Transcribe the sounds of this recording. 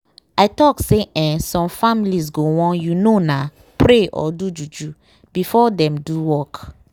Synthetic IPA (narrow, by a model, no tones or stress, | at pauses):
aɪtɔkseʔɛ̃sɔ̃mfamiliz̬ɡowɔ̃njunona | pɹeʔɔ̰dud͡ʒud͡ʒu | b̥ifɔdɛ̃mduwɔk